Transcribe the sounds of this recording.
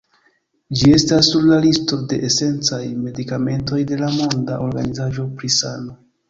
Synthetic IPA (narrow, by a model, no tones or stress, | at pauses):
d͡ʒie̞stasːuɾlalisto̞de̞ʔese̞nt͡sajme̞dikame̞nto̞jde̞lamo̞ndaʔo̞ɾɡanizaʒo̞pɾisano̞